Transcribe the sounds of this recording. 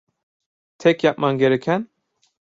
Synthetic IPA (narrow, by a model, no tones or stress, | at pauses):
t̪ʰɛkʰjap̚ʼmɑnɡɛɾɛkʲʰɛn